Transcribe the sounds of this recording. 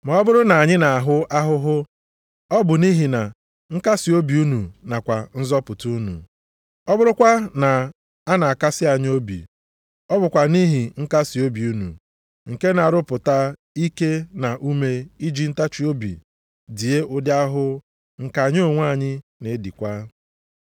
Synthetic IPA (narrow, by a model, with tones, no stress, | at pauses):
ma˨ɔ˦bʊ˦ɾʊ˦na˨a˨ɲɪ˦na˨a˨ɦʊ˦ʔa˦ɦʊ˦ɦʊ˦ | ɔ˦bʊ˨ni˦ɦi˨na˨ | ŋ̩˦ka˦si˨o˦bi˨u˦nu˨na˨kʷa˨n̩˦zɔ˦pʊ˨tu˦u˦nṵ˨ | ɔ˦bʊ˦ɾʊ˦kʷa˦na˨ | a˦na˨a˨ka˦sɪ˦a˨ɲ˦o˦bḭ˨ | ɔ˦bʊ˨kʷa˨ni˦ɦi˨ŋ̩˦ka˦si˨o˦bi˨u˦nṵ˨ | ŋ̩˨ke˦na˨a˨ɾʊ˦pʊ˨ta˦ | i˦ke˦na˨ʔu˦me˦i˦d͡ʒi˦n̩˦ta˦t͡ʃi˦o˦bḭ˨ | di˨e˦ʊ˦dɪ˦a˦ɦʊ˦ | ŋ̩˨ka˨ɲ˦o˦˨ŋʷa˦˨ɲɪ˦ne˨˦di˨kʷa˦